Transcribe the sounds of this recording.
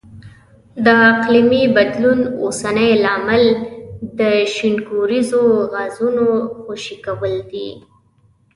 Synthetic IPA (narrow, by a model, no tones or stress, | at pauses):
d̪əaqlimibad̪lunosanəjlɑmɪld̪əʃɪnɡuɾizoɣazunoxoʃikawəld̪ḭ